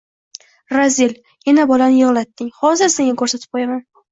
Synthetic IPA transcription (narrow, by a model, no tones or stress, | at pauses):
ɾazil | janabɒlanɪjɨʁlˠat̪ːɪŋhɒzɪɾse̞ŋɡakʰɵɾsat̪ʰɪ̥p̚qʰojaman